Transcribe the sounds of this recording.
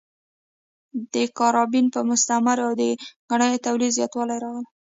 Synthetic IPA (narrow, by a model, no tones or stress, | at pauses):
d̪əkɑɾɑbinpəmʊst̪amaɾawd̪əɡ̥aɳəjot̪awlid̪zjɑt̪wɑlajɾɑɣəla